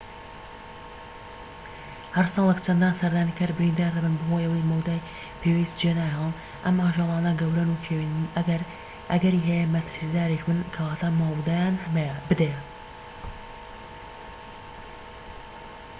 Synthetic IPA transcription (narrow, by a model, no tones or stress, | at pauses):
hɐɾsɑːlˠəkt͡ʃʰɐnd̪aːnsɐɾd̪aːnikʰɐɾbɨɾind̪aːɾd̪ɐbɨnbɨhoːjʔɐwɐjmɐwd̪aːj | pʰewezd͡ʒenaːjɑl | ʔɐmaːʒɑːlˠɑːnɐɡɐwɾɐnukʰewinɡɾ | ʔɐɡɐɾiːɦɛjemɐt̪ʰɨɾsid̪aːɾiʃmɨnkʰɐwaːt̪ʰaːmawd̪aːjaːnhmebɨd̪e